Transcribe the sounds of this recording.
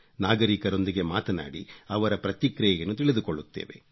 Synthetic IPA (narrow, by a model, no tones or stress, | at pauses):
naːɡɐɾikɐɾo̞nd̪iɡe̞maːt̪ɐna̰ːɽiɐʋɐɾɐpɾɐt̪ikɾɐjɐjɐnːut̪iɭid̪ukoɭːut̪ːḛːʋe̞̰